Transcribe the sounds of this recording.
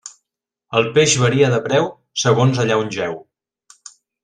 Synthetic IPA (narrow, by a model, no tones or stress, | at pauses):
əlˠpeʒβəɾiəðəpɾɛw | səɣonzəʎaunʲʒɛw